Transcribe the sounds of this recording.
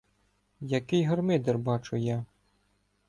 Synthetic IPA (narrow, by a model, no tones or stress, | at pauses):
jɐkɪjɦɔrmɪd̪ɛrbɑt͡ʃʊjɑ